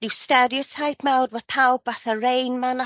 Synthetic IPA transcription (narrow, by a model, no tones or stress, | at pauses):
nɪwstɛɾiɔtʰajpʰmɛwdvəð̥pʰawbvaθərejnmana